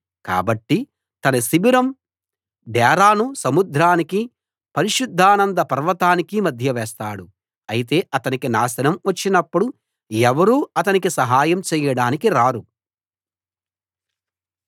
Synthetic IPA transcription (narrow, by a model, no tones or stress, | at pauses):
ka̰ːbɐʈːi | t̪ɐnɐsibiɾɐm | ɖɛːɾaːnusɐmud̪ʱɾaːniki | pɐɾiʃud̪ʱːaːnɐnd̪ɐpɐɾʋɐt̪aːnikimɐd̪ʱjɐʋɛːst̪aːɽu | ɐjit̪e̞ːʔɐt̪ɐnikinaːsɐnɐmʋɐt͡ʃːinɐpːuɽu | ɛʋɐɾuːɐt̪ɐnikisɐɦaːjɐmt͡ʃɛːjɐɽaːnikiɾaːɾu